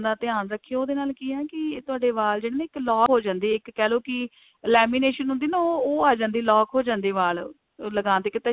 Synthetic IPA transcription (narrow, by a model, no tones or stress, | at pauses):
d̪aːt̪ɪãːnɾəkʰːijooːd̪eːnaːlkiːɛːkɪt̪ʊaːɖeːʋaːld͡ʒeːɽeːnẽːɪklɔːɦoːd͡ʒãːnd̪iːɪkːɛːloːkɪ | lɛːmiːneːʃənɦʊ̃nd̪iːnaoːaːd͡ʒãːnd̪iːlɔːkɦoːd͡ʒãːnd̪eːʋaːl | ləɡaːnt̪ɪkɪt̪ə